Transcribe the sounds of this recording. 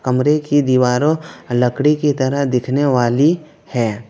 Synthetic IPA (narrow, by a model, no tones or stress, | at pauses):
kɐmɾekid̪iʋaːɾõlɐkɽikit̪ɐɾəɦd̪ɪkʰneʋaːli | hɛː